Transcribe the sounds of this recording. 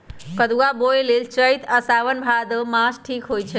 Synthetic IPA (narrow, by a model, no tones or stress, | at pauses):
kəd̪uwabojlelt͡ʃəjt̪əsaʋənbʱad̪əmasʈʰikɦojt͡ʃʰɛ